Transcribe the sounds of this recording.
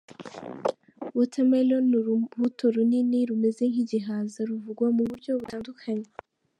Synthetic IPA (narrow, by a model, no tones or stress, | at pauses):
βutʰamelonuɾuhutʰoɾuniniɾume̞ze̞ŋ̥hiɟiɦaːzaɾuvuɡwamuβuɾɟo̞βutaːndukʰaɲe